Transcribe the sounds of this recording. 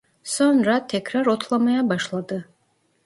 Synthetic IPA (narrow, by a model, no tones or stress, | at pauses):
sɔnrat̪ʰɛkʰraɾot̪ʰlˠamajabaʃlˠad̪ɨ